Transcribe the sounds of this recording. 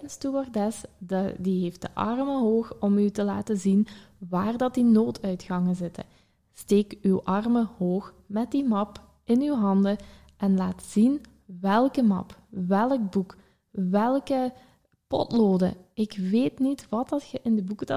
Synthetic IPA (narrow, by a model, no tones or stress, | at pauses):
nstyɑrdɛsdiɦeːft̚də̰ʔɑ̰rməɦoːxɔmytəla̰ːtəzinʋaːrdɑt̚dinoːtʰœɥtxɑŋəzɪtə̰ | steːkywʔɑrməhoːx | mɛt̚dimɑp | ɪnywɦɑndə | ʔɛnlaːtz̥in | ʋɛlˠkəmɑ̰pʋɛlək̚buk | ʋɛlˠkə | pɔ̰tloːdə̰ɪkʋeːtnitʋɑtdɑtxəʔɪndəbukəd